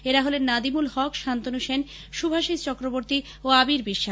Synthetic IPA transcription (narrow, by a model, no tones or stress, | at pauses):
eɾaɦolenːad̪imulhɔkʃant̪onuʃen | ʃubʱaʃid͡ʑt͡ɕɔkɾoboɾt̪i | oabiɾbiʃːa